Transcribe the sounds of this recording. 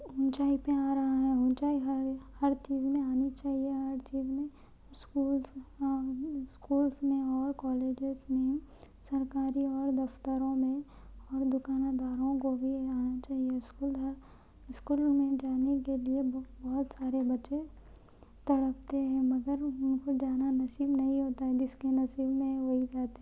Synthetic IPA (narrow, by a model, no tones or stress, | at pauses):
ʊ̃nt͡ʃaːipẽaːɾɐɦaɦɛ̃ʊ̃nt͡ʃaːiɦhɐɾt͡ʃiːzmẽaːnit͡ʃaːɦieɦɐɾt͡ʃiːzmẽ | skuːls | skuːlsmẽɔːɾkɔːleːd͡ʒɪzmẽ | sɐɾkaːɾiɔːɾd̪ɐft̪əɾõmẽ | ɔːɾd̪ʊkaːnad̪aːɾõkobʱiaːnat͡ʃaːɦieskuːləɾ | ɪskuːlmẽd͡ʒaːnekeliebɔɦʊt̪saːɾebɐʃe | t̪ɐɽəp̚t̪eɦɛ̃mɐɡəɾʊnkod͡ʒaːnanɐsiːbnɐɦĩɦoːt̪aɦɛd͡ʒɪskenɐsiːbmẽʋoɦid͡ʒaːt̪e